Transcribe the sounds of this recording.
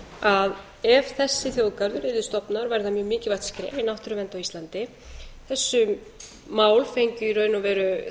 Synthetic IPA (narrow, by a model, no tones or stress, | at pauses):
að | ɛvθɛsːɪθjowðkaɾðʏɾɪːðʏst̪ɔpnaɾvaːjɾðamjœːɣmɪːcɪvajt̪skɾɪ̰ʔejnawht̪ʏɾʏvɛnt̪awist̪lant̪ɪ | θɛsːʏ | maːwlfejɲcʏiɾœɥnavɛːɾʏ